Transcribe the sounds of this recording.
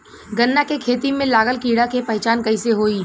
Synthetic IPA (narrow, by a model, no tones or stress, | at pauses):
ɡɐnːakekʰeːt̪imẽlaːɣəlkiːɽakepɐɦt͡ʃaːnkɐiseɦoːiː